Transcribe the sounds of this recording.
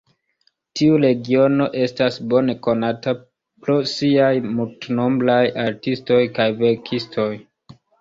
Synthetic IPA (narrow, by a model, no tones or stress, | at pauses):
tiuɾe̞ɡio̞no̞ʔe̞stasbo̞ne̞ko̞nata | pɾosiajmultno̞mblajaɾtisto̞jkajve̞ɾkʰistʰo̞j